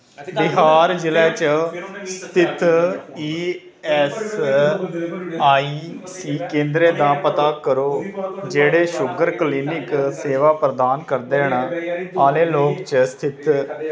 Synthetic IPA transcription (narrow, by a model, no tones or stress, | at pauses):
bɪɦaːɾd͡ʒɪlɛːt͡ʃəst̪ʰɪt̪ʰiː | ɛːs | aːiː | siːkẽːnd̪ɾeːd̪aːpət̪aːkəɾoːd͡ʒeːɽeːʃʊɡəɾkliːnɪkseːʋaːpɾəd̪aːnkəɾd̪eːɳaːaːlẽːloːkt͡ʃəst̪ʰɪt̪ʰ